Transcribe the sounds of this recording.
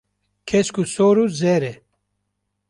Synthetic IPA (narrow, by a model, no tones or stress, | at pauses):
kʰɛskusoːɾuzɛɾɛ